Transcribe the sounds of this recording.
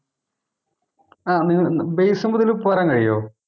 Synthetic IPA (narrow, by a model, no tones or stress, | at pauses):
aːniŋːɐbejsɐmɐðilupɐɾaŋkɐɻijo̰ː